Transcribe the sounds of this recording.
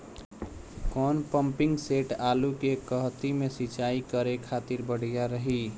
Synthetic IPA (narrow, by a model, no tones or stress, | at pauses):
kɔːnpəmpɪŋɡseʈalukekəɦt̪imesit͡ʃaikəɾekʰat̪iɾbəɽ̤ijaɾəɦi